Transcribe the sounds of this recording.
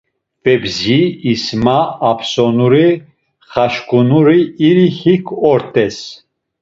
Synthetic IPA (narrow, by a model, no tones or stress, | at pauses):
pɛbziːsmaːpʰsɔnuɾi | χaʃkʼunuɾiːɾihikʰɔɾt̪ʼɛs